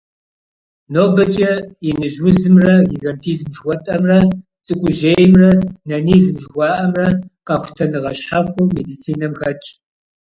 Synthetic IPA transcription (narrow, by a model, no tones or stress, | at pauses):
noːbɐt͡ʃʼɐjɪnɨʒwʊzɨmrɐɡiɡɐntʰiːzmʒwʷɔtʼɐmrɐt͡sʼɨkʷʼʊʒeːjɪmrɐnɐnizmʒxʷɑːʔɐmrɐqɐxʷtʰɐnɨʁɐɕħaxʷʊmedit͡sʰiːnɐmxɐt͡ʃʼ